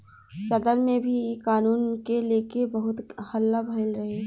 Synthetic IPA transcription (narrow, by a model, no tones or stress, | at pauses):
sɐd̪əɾmẽbʱikaːnuːnkeleːkebɐɦʊt̪hɐlːabʱəɪlɾɐɦeː